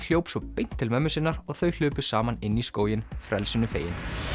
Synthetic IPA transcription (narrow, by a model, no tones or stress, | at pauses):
l̥jowpsɔpejn̥t̪ʰːɪlmɛmːʏsɪnːaɾɔɣθœɥl̥ʏːpʏ̥saːmanɪnːiskoːwjɪnfɾʔɛ̰lsɪnːʏfḛːjɪ̰n